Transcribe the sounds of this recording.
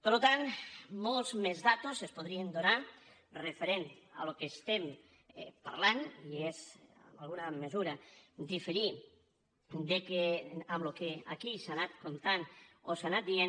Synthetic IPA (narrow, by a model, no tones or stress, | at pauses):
peɾlot̪anmolˠzmezðat̪osespoð̞ɾiend̪ona | refeɾent̪a̰lokest̪em | pa̰ɾlanieza̰mbalˠɣunamezuɾad̪ifeɾi | d̪ekeamlokea̰kisanat̪kont̪anosanat̪̚d̪ien